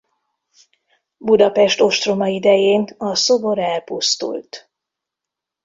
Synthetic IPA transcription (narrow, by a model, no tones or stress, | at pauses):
bud̪ɒpɛʃt̪o̞ʃt̪ro̞mɒid̪ɛjeːnɒso̞bo̞ɾɛlpust̪ṵlt̪